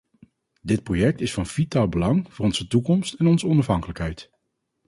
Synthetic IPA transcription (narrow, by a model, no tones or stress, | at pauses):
dɪt̚projɛk̚tɪsfɑnv̥itaːlˠbəlɑŋv̥ʊːrɔnz̥ətukɔmstɛnɔnzəɔnɑfɦɑŋkələkɦɛjt